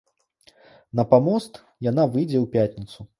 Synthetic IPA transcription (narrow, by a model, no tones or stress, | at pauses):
nɐpamɔst̪ | janavɨjd͡zʲɛwpʲatʲnʲit̪su